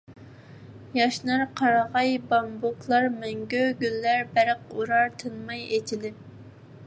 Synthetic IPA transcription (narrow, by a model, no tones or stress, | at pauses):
jɑʃnɑɾqʰɑɾɑʁɑjbɑmbokʰlˠɑɾmɛŋɡʲøɡʲylːæɾbæɾəquɾɑɾt̪ʰɨnmɑjet͡ʃʰilɪp̚